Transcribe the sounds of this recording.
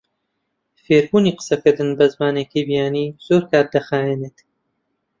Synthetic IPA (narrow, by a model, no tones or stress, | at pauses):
feːɾbuːniːqɨ̥sɐkɨɾd̪ɨnbɐzmaːneːkibijaːniːz̥oːɾkaːɾ̚d̪ɐxaːjeːneːt̪